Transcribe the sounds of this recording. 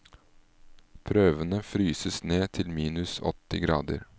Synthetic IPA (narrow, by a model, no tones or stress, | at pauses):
pʰɾøːʋənəfɾyːsəsneːt̪ʰɪlmiːnʉsɔ̰t̪ɪɡɾɑ̰ːd̪ə̰ɾ